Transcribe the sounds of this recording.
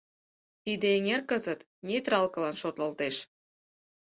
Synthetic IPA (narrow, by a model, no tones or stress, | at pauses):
t̪id̪ĕeŋerkəzət̪ | nʲet̪ɾɑlkə̆lɑnʃot̪lə̆lt̪eʃ